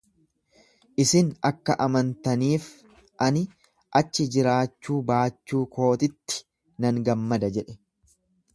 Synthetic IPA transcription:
ʔɪsɪnɐkːɐʔɐmɐnt̪ɐniːf | ʔɐnɪ | ʔɐt͡ʃːɪd͡ʒɪɾaːt͡ʃːuːbaːt͡ʃːuːkʰo̞ːt̪ɪt̪ːɪ̥ | nɐŋɡɐmːɐd̪ɐd͡ʒɛᶑɛ̥

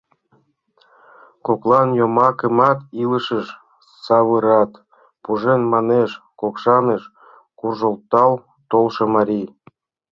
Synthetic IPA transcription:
koklˠɑnjomɑkəmɑt̪iləʃəʃ | sɑβɯɾɑt̪ | puʒenmɑneʃ | kokʃɑneʃ | kurʒolˠt̪ɑl | t̪olʃɤ̆mɑɾʲij

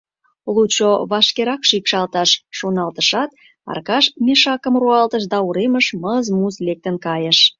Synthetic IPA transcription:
lut͡ɕoβɑʃkeɾɑkʃikʃɑlt̪ɑʃːonɑlt̪əʃɑt̪̚ | ɑ̰rkɑʃmʲeʃɑkəmruɑlt̪əʃd̪ɑuɾeməʃməzmuzlek̚t̪ənkɑjəʃ

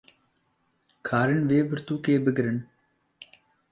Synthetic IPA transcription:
kʰaːɾəɳʋeːbəɾt̪uːkeːbəɡəɾəɳ

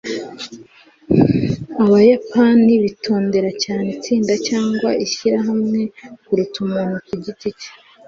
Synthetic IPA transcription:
aβajapaniβitʰo̞ːnde̞ɾacaːnet͡siːndacaːŋɡwaʔiçiɾaɦamŋe̞kuɾutumuːn̥hukuɟicici̥

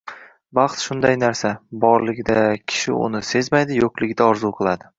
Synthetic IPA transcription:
bɑχt̪ʃʊnd̪ajnaɾsabɒɾlɪɡʲɪd̪akʲʰɪ̥ʃɪ̰ʊ̰nɪse̞zmajd̪ɪjoqlˠɪɡʲɪd̪aɒɾzuqʰɨlˠad̪ɪ

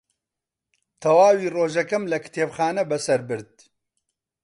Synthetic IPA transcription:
t̪ʰɐwaːwiːroːʒɐkɐmlɐkɨ̥t̪ʰeːbxaːnɐbɐsɐɾbɨɾd̪̚

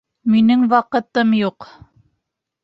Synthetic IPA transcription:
minɘŋwɑqɤ̆t̪ɤmjuq

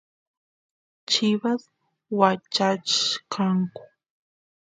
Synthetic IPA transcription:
t͡ʃɪβas | wat͡ʃat͡ʃkʰaŋkʊ̥

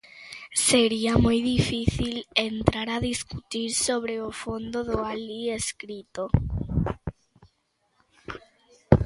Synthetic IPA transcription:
seɾiamojðifiθilent̪ɾaɾaðiskut̪iɾsoβɾeofond̪oðoalieskɾit̪o

